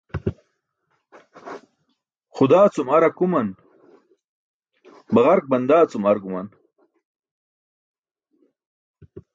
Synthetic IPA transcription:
xʊd̪aːt͡sumɐɾɐkumɐn | bɐʁɐɾk̚bɐnd̪aːt͡sumɐɾkumɐn

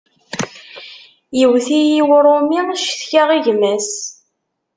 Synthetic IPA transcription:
jəwθijiwɾˤomiʃθçaʁiʝmæs

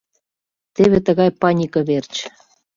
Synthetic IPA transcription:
t̪eβet̪əɣɑjpɑnʲikɤ̆βert͡ɕ

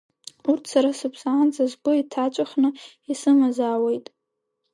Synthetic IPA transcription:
urtʰsaɾasɨpʰsaːnd͡zazɡʊitʰat͡ʃʷʼaχnɨ | isɨmazaːwejtʼ

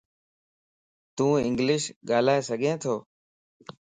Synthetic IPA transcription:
t̪ũːɪ̰̃ŋɡlɪʃɠaːl̤aːeːsəɡʱẽːt̪ʰoː

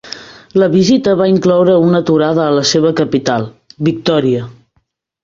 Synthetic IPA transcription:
ləβizit̪əβaiŋklɔwɾəunət̪uɾaðəːləseβ̞əkəpit̪alˠ | bik̚t̪ɔɾiə

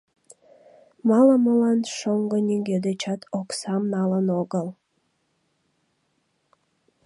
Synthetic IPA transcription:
mɑləməlɑnʃoŋɡənʲiŋɡed̪et͡ɕɑt̪ʰoksɑmnɑlənoɣəl

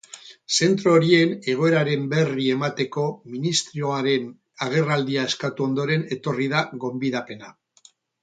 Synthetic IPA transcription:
se̞nt̪ɾoːɾie̞ne̞ɣ̞o̞e̞ɾaɾe̞mbe̞rie̞mat̪e̞ko̞minist̪ɾio̞aɾe̞n | aɣ̞e̞rald̪iae̞skat̪uo̞nd̪o̞ɾe̞ne̞t̪o̞rið̞aɣo̞mbiðape̞na

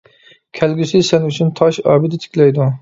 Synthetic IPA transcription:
kʲʰɛlɡʲysɪsɛnyt͡ʃʰint̪ʰɑʃɑ̰ːbɪd̪ɪt̪ʰɪ̥kʲlɛjd̪u

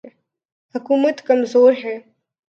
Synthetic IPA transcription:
hɐkuːmət̪kɐmzoːɾɦɛː

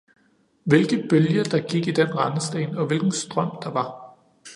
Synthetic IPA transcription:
ʋe̝lɡ̥əb̥øljɐd̥ɑ̈ɡ̥iɡ̥id̥enʁɑ̈nəsd̥ḛːnɒ̽ʋe̝lɡ̥n̩sd̥ʁɶm̰d̥ɑ̈ʋɑ̈

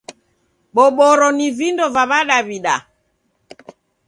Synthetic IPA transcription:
ɓɔɓɔɾɔnivindɔvaβaɗaβiɗa

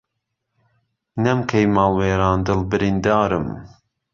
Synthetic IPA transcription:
nɛmkʰejmɑːlˠweːɾɑːnd̪ɨlbɨɾind̪ɑːɾɨm

